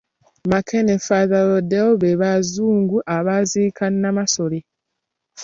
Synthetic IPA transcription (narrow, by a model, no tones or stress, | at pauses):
makʰenefaðaɾodewoβeβazuːŋɡuʔaβaziːkannamasole